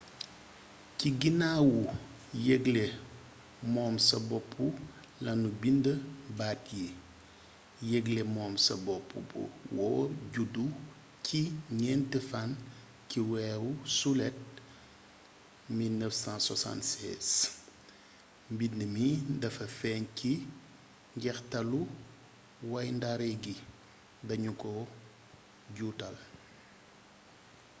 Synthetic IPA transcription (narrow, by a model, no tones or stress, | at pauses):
ciɡinaːwu | jɛɡle | mɔːmsɐbɔpʰːu | lɐnubindəbatji | jɛɡlemɔːmsɐ̰bɔpʰːṵbṵwɔɟudu | cʰiɲɛntɛfan | ciwɛːwusulɛt̚ | milnəfsãːsɔ̰sã̰ntsɛ̰ːs | mbindəmidɐfɐfɛːnki | ŋɡɛxtɐlu | wɐjndaɾɛɡi | dɐɲukɔ | ɟuːtɐl